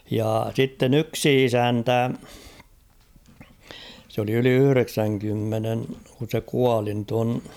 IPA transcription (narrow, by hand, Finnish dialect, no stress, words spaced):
jɑː sitːen yksi isæntæ s oli yli yhy̆reksæŋkymːenen kun̞ se kuɑli nyt on